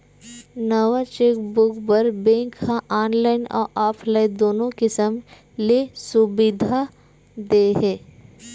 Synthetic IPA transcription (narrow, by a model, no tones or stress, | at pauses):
nəʋat͡ʃeːkbʊkbəɾbẽŋkːaʔaːnlaːɪnɔ̰ːɾʔaːpʰlaːɪd̪oːnõkɪsəm | lesʊbɪd̪ʱa | d̪eɦɛː